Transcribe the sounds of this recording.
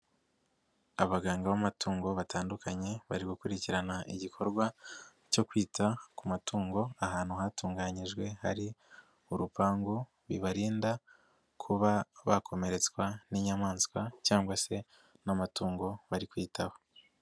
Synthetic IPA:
aβaɡaːŋɡaβamatuːŋɡo̞βataːndukʰaɲe̞βaɾiɡukuɾiciɾanaʔḭɟikʰo̞ɾɡwa | co̞kwiːtʰakumatuːŋɡo̞ahaːnhuɦatuːŋɡaɲiʒɡwe̞ha̰ɾi | uɾupaːŋɡu | βḭβaɾiːnda | kʰuβaβakʰo̞me̞ɾe̞t͡skwaniɲamaːnskwacaːŋɡwase̞ | namatuːŋɡo̞βaɾikwiːtʰaho

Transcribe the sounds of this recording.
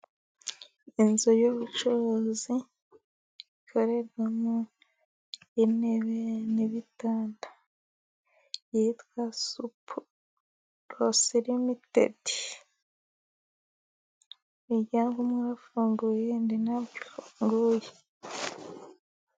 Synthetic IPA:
inzojoβut͡ʃoozi | ikʰoɾeɾɡamu | ineβeniβitaːndḁ | jiitwasupu̥ | ɾosiɾimitḛdi̥ | iɟaːmɡumuɾafuːŋɡujendinaβɟifuŋɡuje

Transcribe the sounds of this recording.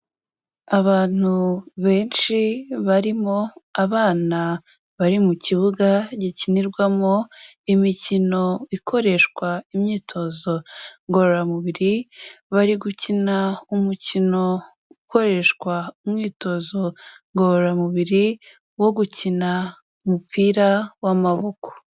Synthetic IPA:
aβaːn̥huβe̞ːnʃiβaɾimo̞aβaːna | βaɾimuciβuɡaɟiciniɾɡwamo̞ | imicino̞ikʰo̞ɾe̞ʃkwaimɲiːtʰo̞zo̞ŋɡo̞ɾoɾamuβiɾiβaɾiɡucinaumucino̞ | uko̞ɾe̞ʃkwaumŋiːto̞zo̞ŋɡoɾoɾamuβiɾi | wo̞ɡucina | umupiːɾawamaβo̞ko̥

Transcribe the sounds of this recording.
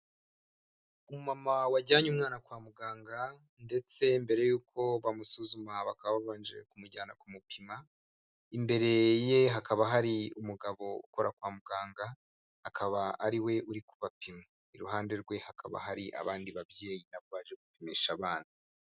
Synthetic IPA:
umumamawaɟaːɲumŋaːnakwaːmuɡaːŋɡa | nde̞t͡se̞mbe̞ɾe̞juːkʰo̞βamusuzumaβakaβaβaβaːnd͡ʒe̞kumuɟaːnakumupʰima | imbe̞ɾe̞je̞ɦakaβaɦaɾiumuɡaβo̞ṵko̞ɾakwaːmuɡaːŋɡaː | akaβaːɾiwe̞uɾikuβapima | iɾuɦaːnde̞ɾɡwe̞hakʰa̰βa̰ɦaɾiʔa̰βaːndiβabje̞ːjinaβoβaːʒeɡupimiːʃaβaːndi

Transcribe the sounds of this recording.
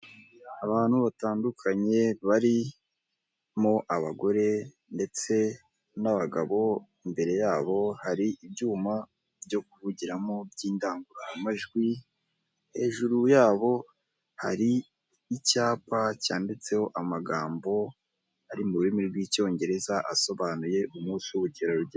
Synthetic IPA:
aβaːn̥huβataːndukʰaɲe̞βaɾi | mo̞ʔaβaɡo̞ɾe̞ | nde̞t͡se̞ | naβaɡa̰βo̞imbe̞ɾe̞jaːβo̞haɾiʔibɟuːma | bjo̞kuvuɟiɾamo̞bjiːndaːŋɡuɾaamaʒɡwi | he̞ːʒuɾujaːβo̞ | ha̰ɾiː | caːpacaːndet͡se̞ho̞ʔamaɡaːmbo̞ | aɾimuɾuɾimiɾɡwiːco̞ːɲɟe̞ɾe̞zaʔaso̞βaːnuje̞umuːsiuβuɟeɾoɾuɟe

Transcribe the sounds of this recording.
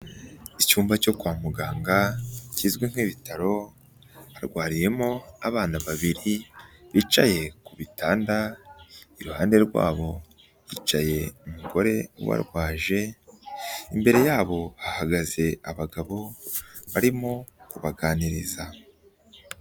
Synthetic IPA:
icuːmbaco̞kwaːmuɡaːŋɡacizɡweŋ̥iːβitaɾo̞ | βaɾɡwaːɾije̞mo̞aβaːnaβaβiɾiβiːt͡ʃaje̞kuβitaːnda | iɾuhaːnde̞ɾɡwa̰ːβo̞ | jḭːt͡ʃaje̞umuɡo̞ɾe̞ṵβa̰ɾɡwaːʒe̞ | imbe̞ɾe̞jaːβo̞hahaɡaze̞aβaɡaβo̞βaɾimo̞kuβaɡaːniɾiza

